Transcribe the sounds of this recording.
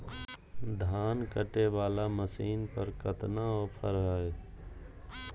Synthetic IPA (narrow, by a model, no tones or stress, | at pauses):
d̪ʱaːnkəʈeʋaːlaməsiːnpəɾkət̪naɔːɾpʰəɾɦəe